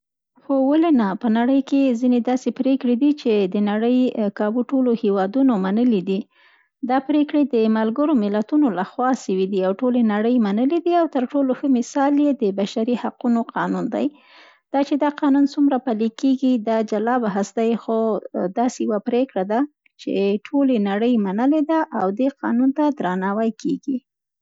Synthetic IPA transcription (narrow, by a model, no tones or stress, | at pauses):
xowalenapənaɽəjkezined̪ɑsepɾekɽed̪it͡ʃed̪ənaɽəjkɑbuʈolohewɑd̪unomanəlid̪i | d̪ɑpɾekɽed̪əmalɡəɾomɪlat̪unolaxwɑʃəwid̪iawʈolenaɽəjmanəlid̪iawt̪əɾʈoloxəmɪsɑljed̪əbaʃaɾihaqunoqʰɑnund̪a̰j | d̪̥ɑt͡ʃed̪ɑqɑnunsumɾapalikeɡid̪ɑd͡ʒalɑbaɦasd̪ajxod̪ɑsejawapɾekɽad̪a | t͡ʃḛʈʰolenaɽəjmanəled̪aʔawd̪eqɑnunt̪ad̪ɾanɑwajkʰeɡi